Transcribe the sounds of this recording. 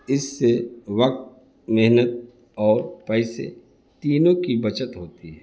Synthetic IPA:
ɪsːeʋɐk̚t̪̚ | mɪɦnət̪̚ | ɔːɾpɛːsḛ | t̪iːnõkibɐt͡ʃət̪ɦoːt̪iɦɛː

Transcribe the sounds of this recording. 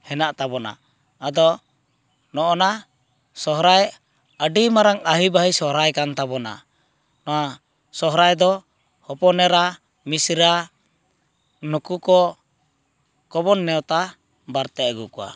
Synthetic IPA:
hɛnaʔt̪abɔna̰ː | d̪ɔ | nɔʔɔna | sɔɦɾaj | aɖimaɾaŋaɦibaɦisɔɦɾajkant̪aβɔna̰ | nɔa | sɔɦɾajd̪ɔ | hɔpɔnɛɾa | misɾa | nukukɔ | kɔbɔnːɛɔt̪a | baɾt̪ɛɡukua̰

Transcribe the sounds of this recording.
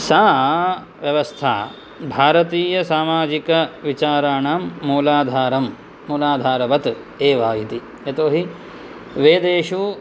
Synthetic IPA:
saː | ʋjɐʋɐst̪ʰa̰ː | bʱaːɾɐt̪iːjɐsaːmaːd͡ʒikɐʋit͡ʃaːɾaːɳaːmːuːlaːd̪ʱaːɾɐmː | uːlaːd̪ʱaːɾɐbɐt̪ | eːʋaːjit̪i | et̪oːɦi | ʋeːd̪eːʃu

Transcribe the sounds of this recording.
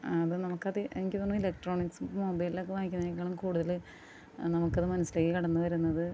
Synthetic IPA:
ɐðɨnɐmukːɐðɨʔeŋikʲːiðonːumilek̚ʈro̞ːɳiksumoːbɐjlilːaːkːɨʋaːŋikʲːunːaːkːaːɳɐmkuːɽuðɐl | nɐmukːɐðɨmɐnɐsːilekːikɐɽɐnːuʋɐɾunːɐðɨ

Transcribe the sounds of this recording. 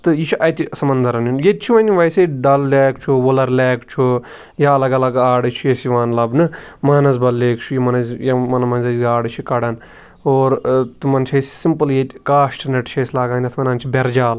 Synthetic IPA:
t̪ɨjit͡ʃʰuʔɐt̪ʲisɐmɐnd̪ɐɾɐnjunjet͡ʃʰuʋɐnʲiʋɐjsɐɖɐlːɛːkt͡ʃʰuʋolɐɾleːkt͡ʃʰu | jɐɐlɐɡɐlɐɡaːɽɨt͡ʃʰujesiʋaːnlɐbnɨmaːnɐs̬bɐlːeːkt͡ʃʰujimɐnɐzjɐmɐnmɐnzɐzɡaːɽɨt͡ʃʰikɐɽɐn | oːɾt̪ɨmɐnt͡ʃʰɐsi̥simpɨljet̪ʲkaːʃʈnɐʈt͡ʃʰɐsʲlaːɡaːnʲɐt̪ʰmɐnaːnt͡ʃʰibʲɐɾd͡ʒaːl

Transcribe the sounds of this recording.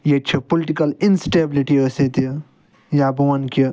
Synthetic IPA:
jet͡ʃʰɐpoliʈikɐlinsʈebliʈiəset̪i | jaːbuɐnkə

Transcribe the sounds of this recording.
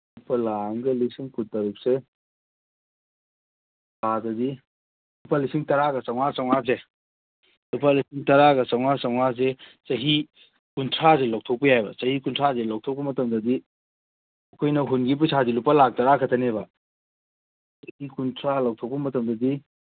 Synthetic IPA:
lupɐlaŋɡɐlisiŋkʰuttːɐɾuk̚se | padɐdi | lupalisiŋtɐɾaɡɐsawŋasawŋaze | lup̬alisiŋtɐɾaɡɐsawŋasawŋaz̬et͡ʃɐɦi | kuntʰɾazelaw̚tʰɔk̚pɐjajbɐsɐhikuntʰɾazelawk̚tʰɔk̚pɐmɐtɐmdɐdi | ɐkʰojnɐɦunɡip̬isʰadilupɐlak̚tɐɾakʰɐtʰɐnebɐ | sɐhikuntʰɾalaw̚tʰɔk̚pɐmɐtɐmdɐdi

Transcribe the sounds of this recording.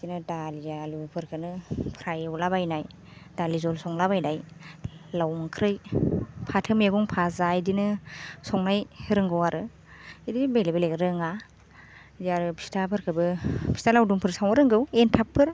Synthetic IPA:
dinɯdalijalupʰɯɾkʰɯnɯpʰɾajwlabajnaj | dalizɔlsɔŋlabajnaj | lawŋkʰɾɯjpʰatʰɯmeɡuŋpʰazajdinɯsɔŋnajɾɯŋɡɯwaɾɯ | idibelebelekɾɯŋa | diaɾɯpʰi̥stʰapʰɯɾkʰɯbɯpʰi̥stalawduŋpʰɯɾsawɯɾɯŋɡɯwentʰapʰːɯɾ

